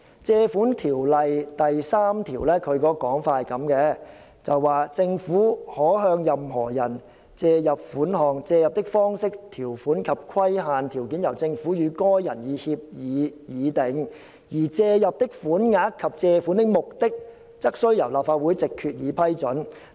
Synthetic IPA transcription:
t͡sɛː˧fuː˨˥nt̪ʰiː˨˩wlɐ˨jt̪ɐ˨jsaː˥mt̪ʰiː˨˩wlɛː˥kʰɵ˨˧ɥkɔː˧kɔː˨˥ŋfaː˧˨kɐ˨˥mkɛː˧ | t͡sɐ˨wːaː˨t͡sɪ˧ŋfuː˨˥hɔː˨˥ɦœː˧ŋjɐ˨mɦɔː˨˩jɐ˨˩n | t͡sɛː˧jɐ˨p̚fuː˨˥nɦɔː˨ŋt͡sɛː˧jɐ˨p̚t̪ɪ˥k̚fɔː˥ŋsɪ˥k̚t̪ʰiː˨˩wfuː˨˥nkʰɐ˨p̚kʰwɐ˥jɦaː˨nt̪ʰiː˨˩wki˨˥njɐ˨˩wt͡sɪ˧ŋfuː˨˥jyː˨˧kɔː˥jɐ˨˩njiː˨˧hiː˧p̚jiː˨˧jiː˨˧t̪ɪ˨˧˥ŋ | jiː˨˩t͡sɛː˧jɐ˨p̚t̪ɪ˥k̚fuː˨˥nŋaː˨˥kkʰːɐ˨p̚t͡sɛː˧fuː˨˥nt̪ɪ˥k̚mʊ˨k̚t̪ɪ˥k̚ | t͡sɐ˥k̚sɵ˥ɥjɐ˨˩wlaː˨p̚faː˧t̚wuː˨˥jt͡sɪ˨kʰːyː˨˧t̚jiː˨˧pʰɐ˥jt͡ʃɵ˨˥n

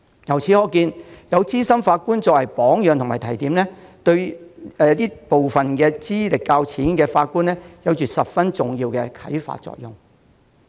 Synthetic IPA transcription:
jɐ˨˩wt͡sʰiː˨˥hɔː˨˧kiː˧njɐ˨˧wt͡siː˥sɐ˥mfaː˧t̚kuː˥nt͡sɔː˧˥wɐ˨˩jpɔː˨˥ŋjœː˨ŋt̪ʰʊ˨˩maː˨˩t̪ʰɐ˨˩jt̪iː˨˥mnlɛː˥t̪ɵ˧ɥɛː˨t̪iː˥po˨wfɐ˨nkɛː˧t͡siː˥lɪ˨kːaː˧wt͡sʰiː˨˥nkɛː˧faː˧t̚kuː˥nlɛː˥jɐ˨˧wt͡ʃyː˨tsɐ˨p̚fɐ˥nt͡sʊ˨ŋjiː˧wkɛ˧kʰɐ˨˥jfa̰ː˧˨t̚t͡ʃɔ̰ː˧k̚jʊ˨˩ŋ

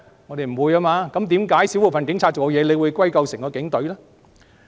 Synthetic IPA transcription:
ŋɔː˨˧d̪e˨˩jm̩˨˩wuː˨˧jaː˧maː˧kɐ˨˥mt̪̬iː˨˥mkaː˨˥jsi˨˥wu˨˩fɐ˨nkɪ˨˥ŋt͡ɕʰaː˧t̚t͡ɕo˨˩kːɔ˨˧jɛː˨˧le˨˧jwuː˨˧jkʷwɐ˥jkɐ˧wsɪ˨˩ŋkɔː˧kɪ˨˥ŋt̪ɵ˨˧˥ɥlaː˥

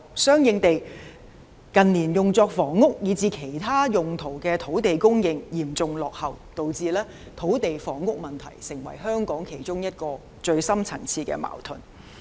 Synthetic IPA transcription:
sœː˥ŋjɪ˧ŋt̪e˨j | kɐ˨nliː˨˩njʊ˨ŋt͡sɔː˧k̚fɔː˨˥ŋːʊ˥k̚jiː˨˧t͡siː˧kʰe˨˩jt̪ʰaː˥jʊ˨ŋt̪ʰo˨˩wkɛː˧t̪ʰo˨˥wt̪e˨jkʊ˥ŋjɪ˧ŋjiː˨˩mt͡sʊ˨ŋlɔː˨k̚hɐ˨wt̪o˨wt͡siː˧lɛː˥ | t̪ʰo˨˥wt̪e˨jfɔː˨˥ŋːʊ˥k̚mɐ˨nt̪ʰɐ̰˨˩jsɪ˨˩ŋwɐ̰˨˩jɦœː˥ŋkɔː˨˥ŋkʰe˨˩jt͡ʃʊ˥ŋjɐ˥t̚kɔː˧ | t͡ʃɵ˧ɥsɐ˥mt͡sʰɐ˨˩ŋt͡sʰiː˧kɛ̰ː˧ma̰ː˨˩wt̪ʰɵ˨˩n

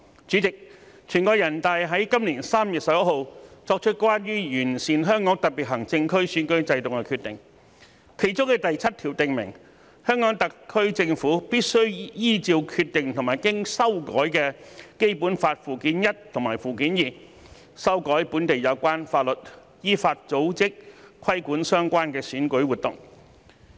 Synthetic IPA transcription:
t͡ʃyː˨˥t͡sɪ˨k̚ | t͡ʃʰyː˨˩nkɔː˧jɐ˨˩nt̪aː˨˧jɦɐ˨˥jkɐ˥mliː˨˩nsaː˥mjy˨t̚sɐ˨p̚jɐ˥t̚ho˨˧wt͡sɔː˧k̚t͡ʃʰə˥t̚kʷwaː˥njyː˥jyː˨˩nsiː˨˩nɦœː˥ŋkɔː˨˥ŋt̪ɐ˨t̚piː˨t̚ɦɐ˨˩ŋt͡sɪ˧ŋkʰɵ˥ɥsyː˨˥nkɵ˥ɥt͡sɐ˧jt̪ʊ˨ŋkɛ˧kʰyː˧t̪ɪ˨ŋ | kʰe˨˩jt͡sʊ˥ŋkɛ˧t̪ɐ˨jt͡sʰɐ˥t̚t̪ʰiː˨˩wt̪ɪ˨ŋmɪ̰˨˩ŋ | hœː˥ŋkɔː˨˥ŋt̪ɐ˨kʰːɵ˥ɥt͡sɪ˧ŋfuː˨˥piː˥t̚sɵ˥ɥjiː˥t͡siː˧wkʰyː˧t̚t̪ɪ˨ŋt̪ʰŋmaː˨˩jkɪ˥ŋsɐ˥wkɔ̰ː˨˥jkɛː˧ke˥jpuː˨˥nfaː˧t̚fuː˨kiː˨˥njɐ˥t̚t̪ʰʊ˨˩ŋmaː˨˩jfuː˨kiː˨˥njiː˨˩ | sɐ˥wkɔː˨˥jpuː˨˥nt̪e˨jɐ˨˧wkʷaː˥nfaː˧t̚lɵ˨t̚ | jiː˥faː˧t̚t͡so˨˥wt͡sɪ˥k̚kʰɐ˥jkuː˨˥nsœː˥ŋkʷaː˥nkɛː˧syː˨˥nkɵ˨˥ɥwuː˨t̪ʊ˨˩ŋ

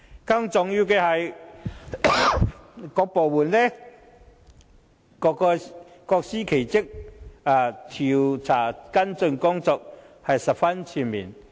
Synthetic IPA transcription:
kɐ˧˥ŋt͡sʊ˨ŋji˧wkɛː˧hɐ˨j | kɔː˧k̚po˨˩wuː˨˩nlɛ˥ | kɔ˧kɔ˧ | kɔː˧k̚siː˥kʰe˨˩jt͡sɪ˥k̚aː˧˩t̪ʰi˨˩wt͡sʰaː˨˩kɐ˥nt͡sɵ˧ŋkʊ˥ŋt͡sɔː˧k̚ | hɐ˨jsɐ˨p̚fɐ˥nt͡sʰiː˧mḭː˨˩n

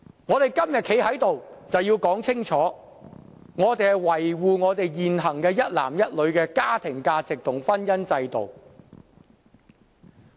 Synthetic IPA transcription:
ŋɔː˨˧t̪e˨jkɐ˥mjɐ˨t̚kʰe˨˥jhɐ˨˥jt̪o˨wt͡sɐ˨wjiː˧wkɔː˨˥ŋt͡sʰɪ˥ŋt͡ʃʰɔː˨˥ | ŋɔː˨˧t̪e˨jhɐ˨jwɐ˨˩jwuː˨ŋɔː˨˧t̪e˨jjiː˨nɦɐ˨˩ŋkɛː˧jɐ˥t̚la̰ː˨˩mjɐ˥t̚lɵ˨˧ɥkɛː˧kaː˥t̪ʰɪ˨˩ŋkaː˧t͡sɪ˨k̚t̪ʰʊ˨˩ŋfɐ˥njɐ˥nt͡sɐ˧jt̪o̰˨˩w

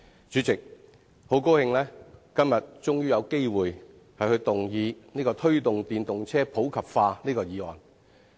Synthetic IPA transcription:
t͡ʃyː˨˥t͡sɪ˨k̚ | ho˨˥wko˥whɪ˧ŋlɛː˥kɐ˥mjɐ˨t̚t͡sʊ˥ŋjyː˥jɐ˨˧wke˥jwuː˨˩j | hɐ˨jhɵ˧ɥt̪ʊ˨ŋjiː˨˧niː˥kɔː˧t̪ʰɵ˥ɥt̪ʊ˨ŋt̪iː˨nt̪ʊ˨ŋt͡sʰɛː˥pʰo˨˥wkʰɐ˨p̚faː˧niː˥kɔː˧jiː˨˧ɔː˨˩n

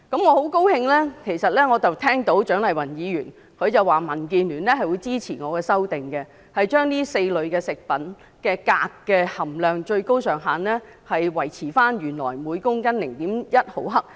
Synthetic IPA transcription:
kɐ˨˥mŋɔː˨˧ho˨˥wko˥whɪ˧ŋlɛː˥kʰe˨˩jsɐ˨t̚lɛː˥ŋɔː˨˧t͡sɐ˨wt̪ʰɛː˥ŋt̪o˨˥wt͡ʃœː˨˥ŋlɐ˨˩jwɐ˨˩njiː˨˧jyː˨˩n | kʰɵ˨˧ɥt͡sɐ˨waː˨˩mɐ˨˩nk̬iː˨nlyː˨˩nlɛː˥hɐ˨jwuː˨˧jt͡siː˥t͡sʰiː˨˩ŋɔː˨˧kɛː˧sɐ˥wt̪ɪ˨˩ŋkɛ˧ | hɐ˨jt͡ʃœː˥ŋniː˥se˧jlɵ˨˧ɥkɛː˧sɪ˨k̚pɐ˨˥n | kɛː˧kaː˧kːɛː˧hɐ˨˩mlœː˨˩ŋt͡ʃɵ˧ɥko˥wsœː˨˩ŋɦaː˨nlɛː˥ | hɐ˨jwɐ˨˩jt͡sʰiː˨˩faː˥nɥyː˨˩nlɔ̰ː˨˩jmuː˨˧jkʊ˥ŋkɐ˥nlɪ˨˩ŋt̪iː˨˥mjɐ˥t̚ho˨˥wɦɐ˥k̚

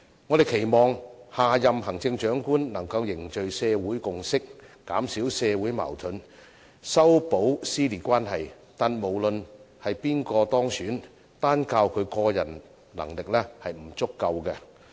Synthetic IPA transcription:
ŋɔː˨˧d̪e˨jkʰe˨˩jmɔː˨˩ŋhaː˨˩jɐ˨mɦɐ˨˩ŋt͡sɪ˧ŋt͡ʃœː˨˥ŋkuː˥nnɐ˨˩ŋkɐ˧wjɪ˨˩ŋt͡ʃɵ˨ɥsɛː˧wuː˨˥jkʊ˨ŋsɪ˥k̚ː | aː˨˥msiː˨˥wsɛː˧wuː˨˥jma̰˨˩wt̪ʰɵ˨˥n | sɐ˥wpo˨˥wsiː˥liː˨t̚kʷaː˥nɦɐ˨j | t̪aː˨nmo˨˩wlɵ˨nhɐ˨jpiː˥nkɔː˧t̪ɔː˥ŋsyː˨˥n | t̪aː˥nkaː˧wkʰɵ˨˧ɥkɔː˧jɐ̰˨˩n | lɐ̰˨˩ŋlɪ˨k̚lɛ˥hɐ˨jm̩˨˩t͡sʊ˥kːɐ˧wkɛ˧

